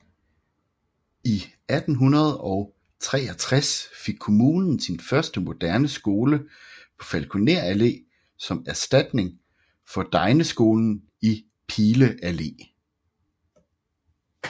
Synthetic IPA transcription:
i | æd̥n̩ɦunɐð̞ˠɒ̽ʊ | t͡sʰʁɛ̰ːɐt͡sʰʁasfeɡ̥̚kʰo̝muːnn̩sinfɶɐsd̥əmo̝d̥æɐnəsɡ̥o̝ːləpʰɒ̽fælkʰuneɐ̰æle̝̰ː | sɒ̽mæɐsd̥æd̥ne̝ŋ | fɒ̽d̥ɑ̈ɪnəsɡ̥o̝ːln̩ | i | pʰiːləʔæle̝̰ː

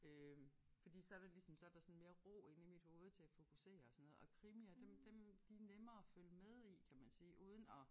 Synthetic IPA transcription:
øfɒ̽d̥ḭːsɒ̽æɐɾ̥ɑlisɒ̽msɒ̽æɐd̥ɑ̈sɔ̽nme̝ːɐʁo̰ːe̝nimid̥ho̝ːð̞̩ˠt͡sʰe̝æfo̝kʰuse̝̰ːɐɒsɒ̽nːo̽ːð̩ˠɒ̽kʰʁimiɐd̥emd̥emd̥inemɐːføləmeð̞ˠikʰæmænsiːʔuːð̞ˠən̩ɒ̽

